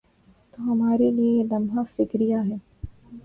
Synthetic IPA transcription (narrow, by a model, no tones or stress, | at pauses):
t̪oːɦɐmaːɾelielɐmɦafɪkɾijaɦɛː